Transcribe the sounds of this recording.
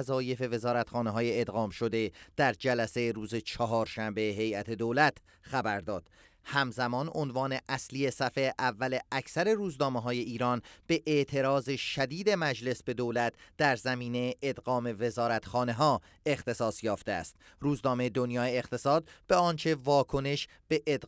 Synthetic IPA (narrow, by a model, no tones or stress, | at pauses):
zɒːje̞fe̞ve̞zɒːɾæt̪xɒːneɦɒːjeːd̪ɣɒːmʃo̞d̪e̞d̪̥æɾd͡ʒælæsejɾuːzet͡ʃʰɒɦɒːɾʃæmbeɦe̞jæt̪ʰe̞d̪oːlæt̪ʰ | xæbæɾd̪ɒːd̪̥ | hæmzæmɒːnonvɒːne̞ʔæslie̞sæfeʔævːæle̞ʔæcʰsæɾe̞ɾuːznɒːmeɦɒːje̞ʔiːɾɒːnb̥e̞ʔeʔt̪ʰe̞ɾɒːzeʃæd̪iːd̪e̞mæd͡ʒle̞sbe̞d̪oːlæt̪̚ʰd̪̥æɾzæmiːnejeʔed̪ɣɒːme̞ve̞zɒːɾæt̪xɒːne̞ɦɒː | e̞xt̪ʰe̞sɒːsjɒːft̪eæ̰st̪ | ɾuːznɒːmeed̪onjɒːjeːxt̪ʰe̞sɒːd̪̚beɒːnt͡ʃʰe̞vɒːkʰo̞ne̞ʃ | b̥eʔed̪